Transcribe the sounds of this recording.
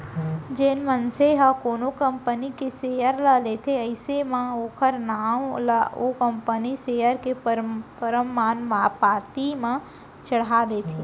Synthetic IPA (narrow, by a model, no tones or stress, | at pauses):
d͡ʒenmənseɦəkoːnokə̃mpənikeseːjəɾləleːt̪ʰeəɪsemãoːkʰəɾnaːmləokə̃mpəniseːjəɾkeɾpəɾəmːaːnmapaːt̪imẽ | t͡ʃəɽ̤ad̪eːt̪ʰi